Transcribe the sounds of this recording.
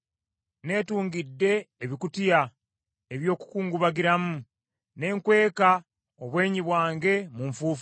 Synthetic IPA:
ne̞ːtuːŋɡidːe̞ːβikutija | e̞βjo̞ːku̥kuːŋɡuβaɡiɾamu | ne̞ːŋkwe̞ːka | oβwe̞ːɲiβwaːŋɡe̞muɱfuːfu

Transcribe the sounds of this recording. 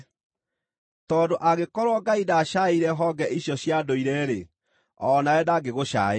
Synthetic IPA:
tɔdoʔaɣekɔɾwɔɡaidaɕaiɾɛɦɔɡɛʔiɕjɔɕjadoiɾɛɾe | ɔnaɛdaɡeɣoɕa̰e

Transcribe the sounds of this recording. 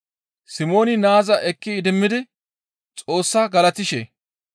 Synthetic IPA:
sɪmo̞ːnɪnaːzɐʔɛkːɪːd̪ɪmːɪd̪ɪ | t͡sʼo̞ːsːaɡɐlɐt̪ɪʃḛ

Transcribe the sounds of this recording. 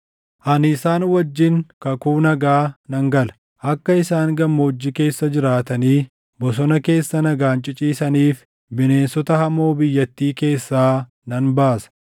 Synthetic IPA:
ʔɐnɪsaːnwɐd͡ʒːɪŋkɐkuːnɐɡaːnɐŋɡɐlɐ̥ | ʔɐkːɐɪsaːŋɡɐmːɐɔd͡ʒːɪke̞ːsːɐd͡ʒɪɾaːt̪ɐniː | bɔs̬ɔnɐke̞ːsːɐnɐɡaːnt͡ʃʼɪt͡ʃʼiːsɐniːf | bɪne̞ːnsɔt̪ɐhɐmoːbɪjːɐt̪ːiːke̞ːsːaː | nɐnbaːsɐ̥

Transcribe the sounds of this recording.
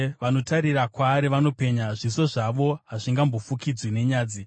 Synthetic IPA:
ʋano̞tʰaɾirakwaːɾiʋano̞pe̞ɲaʐiso̞ʐaʋo̞ɦaʐiŋɡambofukid͡zwine̞ɲaːd͡zi

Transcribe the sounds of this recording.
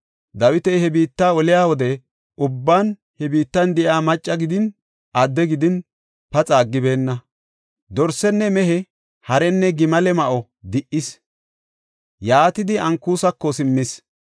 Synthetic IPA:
d̪ɐwɪt̪ɛjhɛbiːt̪ːaːɔlɪjaːwɔd̪ɛ | ʔʊbːaːn | hɛbiːt̪ːɐnd̪ɪʔaːmɐt͡ʃʼːɐɡɪd̪ɪn | ʔɐd̪ːɛɡɪd̪ɪn | pɐt͡sʼaːɡːɪbe̞ːnːɐ | d̪ɔɾsɛnːɛmɛɦɛ | hɐɾɛnːɛɡɪmɐlɛmɐʔɔ | d̪ɪʔɪs | jaːt̪ɪd̪ɪʔɐŋkːuːsɐkːɔsɪmːɪs

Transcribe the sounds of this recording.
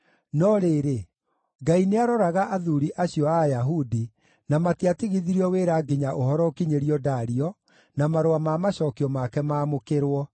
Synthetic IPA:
nɔɾeɾe | ɡaineaɾɔɾaɣaʔaðuɾiʔaɕiɔajaɦudi | namatiatiɣiðiɾiɔweɾaɡiɲaʔohɔɾɔkiɲeɾiɔdaɾiɔ | namaɾoamamaɕɔːkiɔmakɛmaːmokeɾwɔ

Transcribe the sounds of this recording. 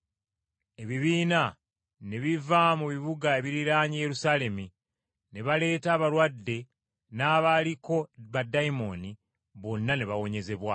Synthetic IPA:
e̞βiβiːna | ne̞βivamuβiβuɡae̞βiɾiɾaːɲije̞ɾusaːle̞mi | ne̞βale̞ːtaːβalwadːe̞ | naːβaliko̞βadaimo̞ni | βo̞nːane̞βawo̞ɲe̞ze̞βwa

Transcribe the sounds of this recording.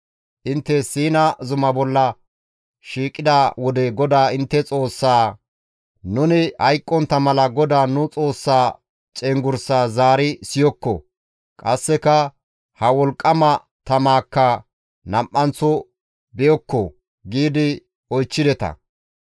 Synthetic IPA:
ʔɪnt̪ːɛsiːnɐzʊmɐbɔlːɐ | ʃiːkʼːɪd̪aːwɔd̪ɛɡɔd̪aːɪnt̪ːɛt͡sʼo̞ːsːaː | nʊnɪhɐjkʼːɔnt̪ːɐmɐlɐɡɔd̪aːnʊt͡sʼo̞ːsːaː | t͡ʃʼɛŋɡʊɾsaːzaːɾɪsɪjɔkːɔ̰ | kʼɐsːɛkɐ | hɐwɔlkʼːɐmɐ | t̪ɐmaːkːɐ | nɐmʔʼːɐnt͡sːɔ | bɛjɔkːɔ | ɡiːd̪ɪ | ɔjt͡ʃːɪd̪ɛt̪ɐ̰

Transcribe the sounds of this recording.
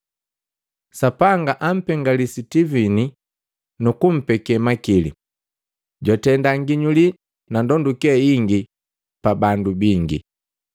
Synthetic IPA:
sapaŋɡaʔam̩pɛŋɡalisitivini | nukum̩pɛkɛmakilḭ | ɟwatɛndaŋɡiɲuli | nandɔndukɛiŋɡi | pabandubiŋɡḭ

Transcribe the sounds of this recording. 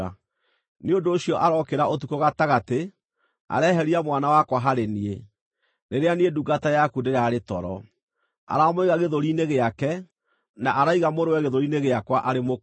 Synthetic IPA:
a | neondoːɕiɔʔaɾɔkeɾaʔot̬ukoɣataɣate | a̰ɾɛːɦɛɾiamwanawakwaɦaɾenie | neɾeanieduɡatajakudeɾaːɾetɔɾɔ | a̰ɾamoiɣaɣeðoɾineɣeakɛ | naʔaɾaiɣamoɾowɛɣeðoɾineɣeakwaʔaɾemo

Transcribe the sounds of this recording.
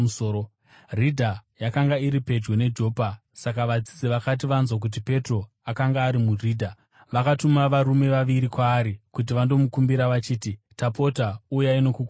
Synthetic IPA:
usoːo | ridʱajakaŋɡaiɾipe̞d͡ʒwe̞ne̞d͡ʒo̞ːpa | sakaʋad͡zid͡zeʋakat̬iʋanzwak̬ut̬ipe̞tro̞ | akaŋɡaːɾimuriːdʱa | ʋakatumaʋaɾume̞ʋaʋiɾikwaːɾikut̬iʋando̞mukumbiɾaʋat͡ʃiːtitapo̞taujaino̞kuku

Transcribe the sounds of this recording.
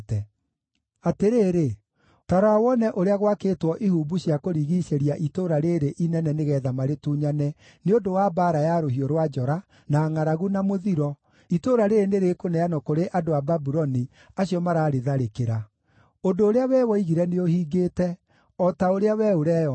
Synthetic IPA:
tɛ | ateɾeːɾe | taɾɔawɔnɛʔoɾeaɣwakeːtwɔʔihuːbuɕiakoɾiːɣiɕeɾiaʔitoɾaɾeːɾeʔinɛnɛneɣɛːðamaɾetuːɲanɛ | neodowabaɾajaɾoɦioɾwad͡ʒɔɾa | naŋaɾaɣunamoðiɾɔ | itoɾaɾeɾeneɾekonɛanɔkoɾeʔadoababuɾɔni | aɕijɔmaɾaːɾeðaɾekeɾa | odoːɾeawɛːwɔiɣiɾɛneohiːɡeːtɛ | ɔtaoɾeawɛoɾɛɔ

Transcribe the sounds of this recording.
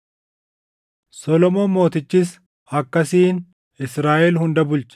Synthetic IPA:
sɔlɔmoːmo̞ːt̪ɪt͡ʃːis | ɐkːɐsiːn | ɪsɾaːʔɛlhʊnd̪ɐbʊlt͡ʃɛ̥

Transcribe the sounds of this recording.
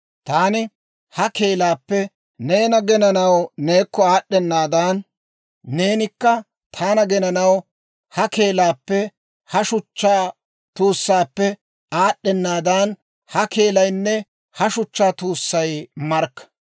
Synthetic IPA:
t̪aːnɪ | hɐke̞ːlaːpːɛ | neːnɐɡɛnɐnɐwne̞ːkːɔaːɗːɛnːaːd̪ɐnː | eːnɪkːɐ | t̪ʰaːnɐɡɛnɐnɐw | hɐke̞ːlaːpːɛ | hɐʃʊt͡ʃːaː | t̪uːsːaːpːɛ | aːɗːɛnːaːd̪ɐn | hɐke̞ːlɐjnːɛ | hɐʃʊt͡ʃːaːt̪uːsːɐjmɐɾkːɐ̥

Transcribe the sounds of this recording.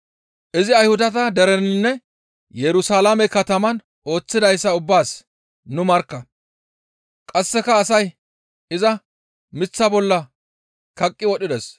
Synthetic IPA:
ʔɪzɪɐjhʊd̪ɐt̪ɐd̪ɛɾɛnɪnːɛ | jɛɾʊsaːlamɛkɐt̪ɐmɐn | o̞ːt͡sːɪd̪ɐjsːɐʊbːaːs | nʊmɐɾkːɐ | kʼɐsːɛkɐːsɐj | ɪzɐ | mɪt͡sːɐbɔlːɐ | kɐkʼːɪwɔɗɪd̪ɛs

